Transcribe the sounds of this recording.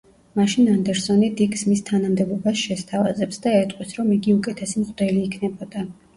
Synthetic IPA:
maʃinand̪ɛɾsɔnid̪iɡsmist̪ʰanamd̪ɛbɔbasʃɛst̪ʰava̰zɛpsd̪aɛt̪ʼqʼwisʰɾɔmiɡiukʼɛt̪ʰɛsimʁʼd̪ɛliːkʰnɛbɔd̪a

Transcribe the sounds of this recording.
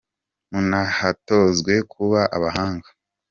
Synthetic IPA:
munahato̞zɡwe̞kʰuβaʔaβaɦaːŋɡḁ

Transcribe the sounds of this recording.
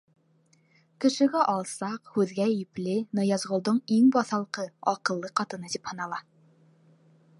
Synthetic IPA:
kɘ̆ʃɘ̆ɡæʔɒlˠsɑqhʉðɡʲæjiplɘnɤ̆jɑzʁŏlˠd̪ɤɴiŋbɒθɑlˠqɤɒqɤ̆lˠːɤqɑt̪ɤ̆nɤd̪iphɤ̆nɑlˠɑ

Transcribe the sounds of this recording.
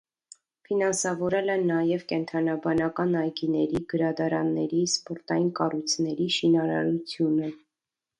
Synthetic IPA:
finɑnsɑvɔɾɛlɛnɑjɛvkɛnt̪ʰɑnɑbɑnɑkɑnɑjɡinɛɾiɡəɾɑd̪ɑɾɑnːɛɾispɔɾt̪ɑjinkɑrujt͡sʰnɛɾiʃinɑɾɑ̰ɾut͡sʰjunə

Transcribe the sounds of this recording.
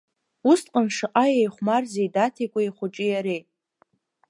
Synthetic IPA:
ustqʼənʂɨqʼajejχʷmarzejdatʰikʷʼaiχʷʊʈ͡ʂʼijaɾej

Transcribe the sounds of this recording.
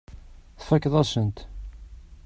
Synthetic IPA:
θfækːðˤæsənt̪

